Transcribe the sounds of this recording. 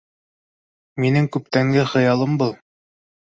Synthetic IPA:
minɘŋkʉp̚t̪æŋɡɘχɤ̆jɑlˠɤmbɤlˠ

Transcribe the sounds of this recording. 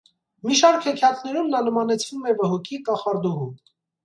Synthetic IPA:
miʃɑɾkʰhɛkʰjɑt̪nɛɾumlɑləmɑnɛt͡sʰvumɛvəɦɔkʰikɑχɑɾd̪ɔʁum

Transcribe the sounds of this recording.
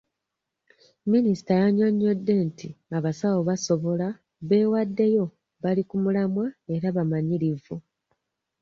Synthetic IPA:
minisi̥tajaɲoɲːo̞dːe̞ntiaβasawo̞βaso̞βo̞la | βe̞ːwadːe̞jo̞ | βalikumulamwae̞ɾaβamaɲiɾivu

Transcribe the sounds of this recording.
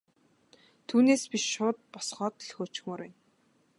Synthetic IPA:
t̪ʰuːneːspiʃʃʊːt̪̚pɔsχɔːt̪̆ɮxoːt͡ɕxmoːɾæn

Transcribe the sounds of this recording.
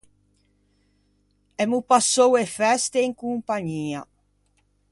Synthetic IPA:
ɛmupasowefɛst̪eiŋkumpaɲiːa̰

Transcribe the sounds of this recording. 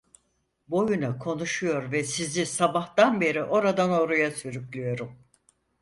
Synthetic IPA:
bo̞junakʰo̞nuʃujo̞ɾvɛsizisabaht̪anbe̞ɾiʔo̞ɾad̪ano̞ɾujasyɾykʲlʲyjo̞ɾum

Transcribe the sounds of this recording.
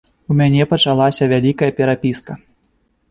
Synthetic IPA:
umʲanʲɛpɐt͡ʂalˠasʲɐvʲalʲikɐjɐpʲɛɾapʲiskɐ

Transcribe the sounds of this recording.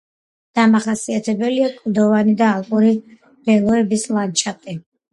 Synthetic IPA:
d̪̥amaχasiat̪ʰɛbɛliakʼɾd̪ɔvanid̪aːlˠkʼuɾi | b̥ɛlˠɔɛbislˠant͡ʃʰat̪ʼi

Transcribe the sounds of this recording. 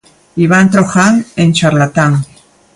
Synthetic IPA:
iβant̪ɾoxaŋent͡ʃaɾlat̪aŋ

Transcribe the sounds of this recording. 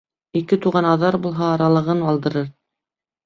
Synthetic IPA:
ikɘt̪uʁɑnɑðɑɾbulˠɦɑːɾɑlˠɤ̆ʁɤnɑlˠd̪ɤ̆ɾɤɾ

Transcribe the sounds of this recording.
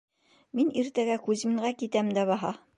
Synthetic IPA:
miniɾt̪æɡækʉzmɘ̆ŋɢækit̪æmd̪æβɑɦɑ

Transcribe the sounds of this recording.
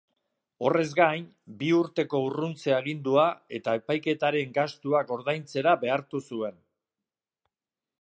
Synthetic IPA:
o̞̰re̞zɡajn | biuɾt̪e̞ko̞urunt͡se̞aɣind̪uae̞t̪ae̞pajke̞t̪aɾe̞ŋɡast̪uako̞ɾðajnt͡se̞ɾabe̞aɾt̪usue̞n

